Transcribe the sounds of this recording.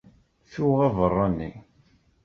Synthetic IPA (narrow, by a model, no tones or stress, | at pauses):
θuʁɑvərˤːɑnːḭ